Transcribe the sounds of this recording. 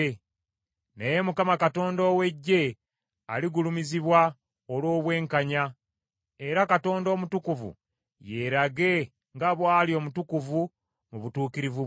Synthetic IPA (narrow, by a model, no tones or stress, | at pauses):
neje̞mukamakato̞ːndo̞ːwe̞ɟːe̞ | aliɡulumiziβwa | olwo̞ːβwe̞ːŋkaɲa | e̞ɾakato̞ːndo̞ːmutukuvṵ | je̞ɾaɡe̞ | ŋɡaβwaːlio̞ːmutukuvu | muβutuːkiɾivu